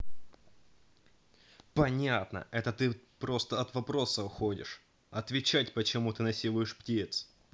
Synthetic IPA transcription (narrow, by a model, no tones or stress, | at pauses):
pɐnʲat̪nə̰ʔɛt̪ət̪ɨpɾo̞st̪əɐt̪vɐpɾo̞səʊxodʲɪ̰ʂ | ɐt̪vʲɪt͡ɕætʲpət͡ɕɪmut̪ɨnɐsʲilˠʊjɪʂptʲit̪s